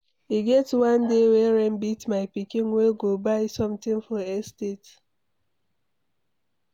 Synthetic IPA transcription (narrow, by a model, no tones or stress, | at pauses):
iɡɛtwãndewɛɹɛ̃mbitmaɪpikĩnweɡobaɪsɔ̃mtĩnfɔɛstet